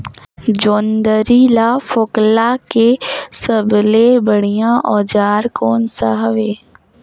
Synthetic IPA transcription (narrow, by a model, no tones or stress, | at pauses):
d͡ʒoːnd̪əɾilaːfoːklakesəblebəɽ̤ijãʔɔːd͡ʒaːɾkɔːnsaɦəʋeː